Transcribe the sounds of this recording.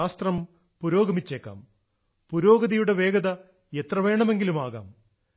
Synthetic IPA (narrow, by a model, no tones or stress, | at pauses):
aːst̪rɐm | puɾo̞ːɡɐmit͡ɕːeːkːa̰ːm | puɾo̞ːɡɐðɐjuɽe̞ʋe̞ːɡɐðɐ | et̪rɐʋe̞ːɳɐme̞ŋɡilumaːɣa̰ːm